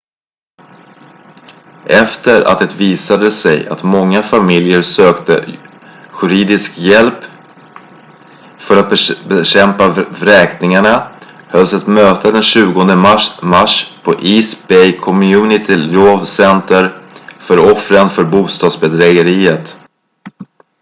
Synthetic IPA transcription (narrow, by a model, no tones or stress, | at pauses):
ʔɛft̪əɾa̰t̪̚d̪ɛt̪viːsad̪əsɛ̰ja̰t̪mɔŋːafamɪljəɾsøːkt̪ə̰ | jɵɾiːd̪ɪskjɛlp | fœɾat̪̚bɛbɛɕɛmpaɾɛːknɪŋaɳa | hœlːsɛt̪møːt̪əd̪ɛnɕʉ̟ːɡɔnd̪əmmaʂpʰɔʔiːsbɛjkʰɔmjʉːnɪt̪ʰɪloːvsɛnt̪əɾfœɾɔfɾənfœɾbuːst̪ɑːd̪sbɛd̪ɾɛɡəɾiːət̪